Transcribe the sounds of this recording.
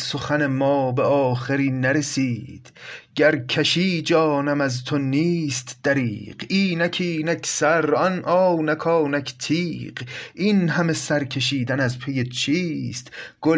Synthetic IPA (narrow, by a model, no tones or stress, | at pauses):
soxæne̞mɒːbeɒːxeɾiːnæɾe̞siːd̪̥ɡ̥æɾkʰæʃiːd͡ʒɒːnæmæzt̪ʰoniːst̪d̪̥æɾiːɢ̥iːnækʰiːnækʰsæɾɒnʔɒːwnækʰɒːnækʰt̪ʰiːɢʔinɦæmesæɾkʰeʃ̬iːd̪ænæzpʰe̞jet͡ʃʰiːst̪ɡ̥o